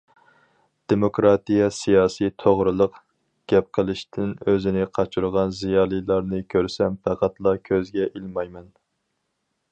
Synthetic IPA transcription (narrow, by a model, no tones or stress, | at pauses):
d̪̥emokɾɑt̪ijɑsijɑːsit̪ʰoʁɾɨlˠəq | ɡ̥ʲɛp̚qʰəlˠɨʃt̪ʰɪnøzɪnɪqʰɑt͡ʃʰuɾʁɑnzijɑːlˠɨjlˠɑɾnɨkʲʰøɾsɛmpʰæqʰæt̪lˠɑkʲʰøzɡʲɛʔilmɑjmɛn